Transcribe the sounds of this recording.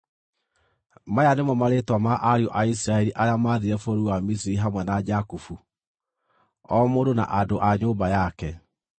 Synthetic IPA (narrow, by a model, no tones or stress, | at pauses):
majanemɔmaɾetwamaʔaɾioʔais̬iɾaɛɾiʔaɾeamaðiɾɛfoɾuwamis̬iɾiɦamwɛnad͡ʑakufu | ɔmoːdona̰ʔadoʔaɲoːmbajakɛ